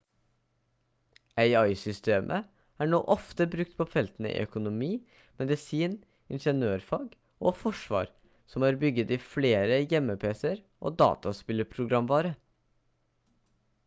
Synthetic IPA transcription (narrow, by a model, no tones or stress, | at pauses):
æɪɑɪsʏst̪eːmʔə̰ | æːɳo̰ːʔɔft̪əbɾʉk̚t̪pʰɔfɛlt̪ənəḭːʔœ̰kʊnʊmiː | mɛd̪əsiːn | ɪnʂənøːɾfɑːɡ | ʔoːfɔʂʋɑ̰ːɾ | sɔmhɑːɾbʏɡːət̪iːfleːɾəjɛmːəpʰeːsəɾ | ʔo̰ːd̪ɑ̰ːt̪ɑspɪlːəpʰɾʊɡɾɑmʋɑːɾə